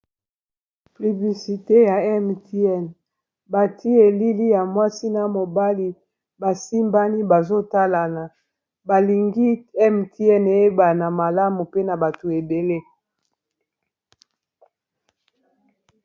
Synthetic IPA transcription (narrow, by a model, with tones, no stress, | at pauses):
ply˨bli˨si˨te˦ja˨ɛ˦mti˦ɛ˦˨n | ba˨tʰi˦e˨li˦li˦ja˨mwa˦si˦na˦mo˨ba˦li˦ | ba˨si˦mba˦ni˦ba˨zo˦ta˦la˨na˨ | ba˨li˨ŋɡi˦ɛ˦mti˦ɛ˦ne˨e˦ba˨na˨ma˨la˦mu˨pe˦na˨ba˨to˨e˨be˨le˦